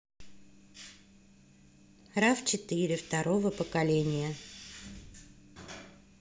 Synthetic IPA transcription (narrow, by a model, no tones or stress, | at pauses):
raft͡ɕɪt̪ɨɾʲɪft̪ɐɾovəpəkɐlʲenʲɪjə